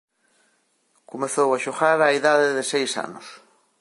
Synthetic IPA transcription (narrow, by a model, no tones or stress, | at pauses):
komeθowaʃoɣaɾaiðaðɪðɪsejsa̰nʊs